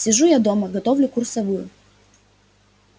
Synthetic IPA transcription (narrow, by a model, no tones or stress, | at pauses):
sʲɪʐujad̪o̞məɡɐt̪ovlʲʊkursɐvujʊ